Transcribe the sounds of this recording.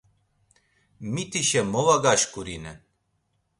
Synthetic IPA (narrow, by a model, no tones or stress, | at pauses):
mit̪iʃɛmɔvaɡaʃkuɾinɛn